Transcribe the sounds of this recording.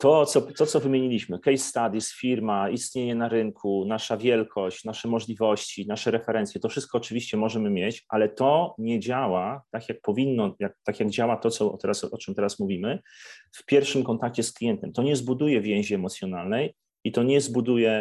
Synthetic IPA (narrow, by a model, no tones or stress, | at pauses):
t̪ɔt̪sɔt̪ɔt̪sɔvɘmʲjeɲilʲiɕmɘkɛjsːt̪ad̪ʲisfʲiɾmaist̪ɲeɲɛnaɾɘŋkʰunaʂavʲjɛlkʰɔɕt͡ɕnaʂɛmɔʐlʲivɔɕt͡ɕinaʂɛɾɛfɛɾɛnt̪sʲjɛt̪ɔfʂɘst̪̚kɔːt͡ʂɘvʲiɕt͡ɕɛmɔʐɛmɘmʲjet͡ɕʔa̰lɛt̪ɔɲɛd͡ʑawat̪akʲjak̚pɔvʲinːɔjak̚t̪akʲjaɡd͡ʑawat̪ɔt̪sɔ̰t̪ɛɾasɔt͡ʂɛmt̪ɛɾasmuvʲimɘfpʲjɛɾfʂɘmkɔnt̪akt͡ɕɛsklʲijɛnt̪ɛmt̪ɔɲɛzbud̪ujɛvʲjɛ̃w̃ʑɛːmɔt̪sʲjɔnalnɛj | it̪ɔɲɛzbud̪ujɛ